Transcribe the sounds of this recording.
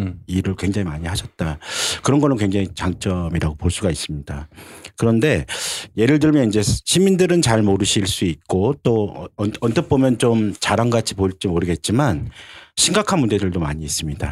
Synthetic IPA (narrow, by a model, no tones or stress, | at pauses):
iɾɯɭkwe̞ŋd͡ʑaŋimaɲihaɕʰʌt̚t͈akɯɾʌnɡʌnɯnkweŋd͡ʑaŋit͡ɕaŋt͡ɕ͈ʌmiɾaɡopoɭs͈uɡais͈ɯmɲidakɯɾʌnde̞je̞ɾɯɭdɯɭmjʌnind͡ʑe̞ɕʰimindɯɾɯnt͡ɕaɭmoɾɯɕʰiɭs͈uit̚k͈ot͈oʌʌntɯp͈omjʌnt͡ɕomt͡ɕaɾaŋɡat͡ɕʰi̥poiɭt͡ɕ͈imoɾɯɡe̞t̚t͡ɕ͈imanɕʰiŋɡakʰanmundd͡ʑe̞dɯɭdomaɲiːs͈ɯmɲida̰